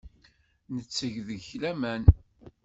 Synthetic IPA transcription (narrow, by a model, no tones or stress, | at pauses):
nət͡sːəʝðəçlæmæn